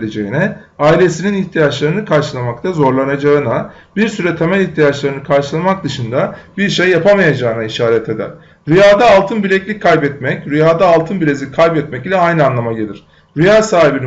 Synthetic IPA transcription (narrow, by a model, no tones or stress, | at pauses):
lʲed͡ʒe̞jinɛ | aːilʲe̞sininiçt̪ʰijat͡ʃlˠaɾɯnɯkʰaɾʃɯlˠamak̚t̪ʰazo̞ɾlˠanad͡ʒaɯna | biɾsyɾɛt̪ʰe̞mɛlʲiçt̪ʰijat͡ʃlˠaɾɯnɯkʰaɾʃɯlˠamak̚d̪ɯʃɯnd̪abiɾʃejːapʰamajad͡ʒaːɯnaiʃaːɾɛt̪ʰe̞d̪æ̰ɾ̥ | ɾyjaːd̪aːlˠt̪ʰɯnbilʲɛclʲic̚kʰːajbɛt̪mɛcɾyjaːd̪aːlˠt̪ʰɯnbilʲezʲikʰːajbɛt̪mɛcilʲɛajnɯanlˠamaɟelʲiɾ̥ | ɾyjaːsaːɦibin